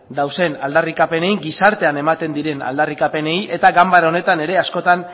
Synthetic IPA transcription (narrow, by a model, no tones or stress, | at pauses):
d̪awse̞nald̪arikape̞ne̞jŋɡisaɾt̪e̞ane̞mat̪e̞nd̪iɾe̞na̰ld̪arikape̞ne̞jʔe̞t̪aɡambaɾone̞t̪ane̞ɾe̞asko̞t̪an